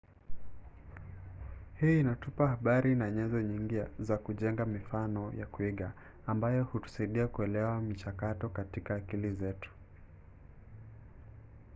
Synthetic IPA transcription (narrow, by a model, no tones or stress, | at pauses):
hiːnatupahaɓaɾinaɲɛzɔɲiŋɡizakuʄɛŋɡamifanɔjakuiɠaː | mbajɔhutu̥saiɗiakuɛlɛwamit͡ʃakatɔkatikaːkilizɛtu̥